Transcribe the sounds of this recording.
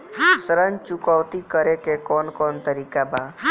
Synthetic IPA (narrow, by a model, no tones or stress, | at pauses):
səɾənt͡ʃukɔwt̪ikəɾekekɔnkɔnt̪əɾikaba